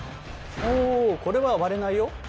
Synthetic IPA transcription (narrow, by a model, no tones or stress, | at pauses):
oːko̞ɾe̞βaβaɾe̞naijo̞